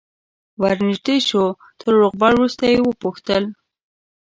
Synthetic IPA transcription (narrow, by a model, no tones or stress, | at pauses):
waɾnɪʒɖ̪eʃo | t̪ʰəɾːoqbɑɽwɾust̪ajewəpuxt̪əl